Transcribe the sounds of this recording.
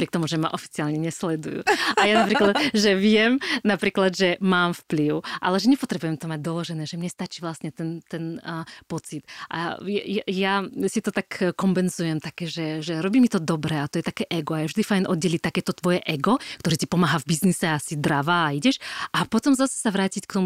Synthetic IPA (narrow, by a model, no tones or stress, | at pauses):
ɔpɾiɛk̚t̪ɔmuʒɛma̰ʔɔfi̥t͡siaːlɲɛɲɛslɛd̪ujṵːajanapɾiːklad̪ʒɛʋɪɛmnapɾiːklad̪ʒɛmaːmfpliʊʔa̰lɛʒɛɲɛpɔt̪ɾɛbujɛmt̪ɔmaɟ̚d̪ɔlɔʒɛnɛːʒɛmɲɛst̪at͡ʃiːʋlast̪ɲɛt̪ɛnt̪ɛnpɔt͡sit̪ʔa̰jɛjɛjasit̪ɔt̪akkɔmpɛnzujɛmt̪akɛːʒɛʒɛɾɔbiːmit̪ɔd̪ɔbɾɛat̪ɔjɛt̪akɛːʔɛɡɔajɛvʒd̪ifajnʔɔd̪ɟɛlic̚t̪akɛːt̪ɔt̪ʋɔjɛʔɛɡɔkt̪ɔɾiːt̪ipɔmaːɦavbiznisɛasid̪ɾaʋaːiɟɛʃʔapɔt̪ɔmzasɛ̥saʋɾaːcickt̪ɔmu